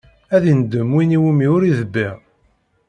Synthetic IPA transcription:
æðind̪ːəmwiniwimiʊɾiðəbːi

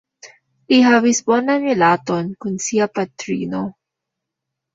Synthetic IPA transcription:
ʔiɦawisbonamɛlat̪onkʊnsiapat̪ɾḭːno

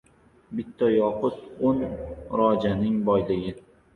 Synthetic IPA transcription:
bɪt̪ʰːɒjɒqʊt̪onɾɒd͡ʒanɪŋbɒjlɪɡʲɪ

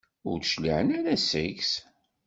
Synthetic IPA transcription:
ʊɾθʃliʕənæɾæsəʝs

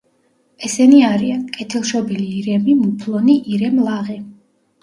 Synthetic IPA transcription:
ɛsɛniaɾiankʼɛt̪ʰilˠʃɔbiliːɾɛmimupʰlˠɔniʔiɾɛmlˠaʁi

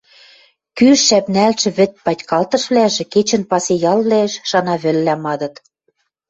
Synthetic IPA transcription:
kyʃʃæpnælʃɘ̆βɘ̆t̪̚pɑtʲkɑlt̪ɤ̆ʃβlæʒĕket͡ɕə̆npɑsejɑlβlæʃʃɑnɑβɘ̆lːæmɑd̪ɤ̆t̪

